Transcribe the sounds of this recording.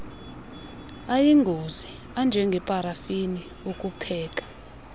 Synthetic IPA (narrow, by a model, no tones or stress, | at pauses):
ajiŋɡʱozi | and͡ʒʱɛŋɡʱɛpʼaɾafini | ukʼupʰɛːkʼḁ